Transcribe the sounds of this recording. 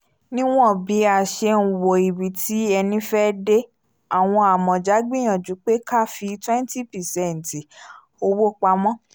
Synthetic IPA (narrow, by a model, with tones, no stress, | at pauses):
nĩ˦w̃ɔ̃˦˨bi˨˦a˨ʃe˧n̩˨wo˨i˨bi˨ti˨˦ɛ˧nĩ˦fɛ˦de˦ | a˨w̃ɔ̃˧a˨mɔ̃˨d͡ʒa˨˦ɡ͡bĩ˦j̃ã˨d͡ʒu˨˦k͡pe˦ka˦˨fi˧twɛ̃˦n˦ti˦pɛ˨sɛ˦˨n̩˨ti˨ | o˧wo˦k͡pa˧mɔ̃˦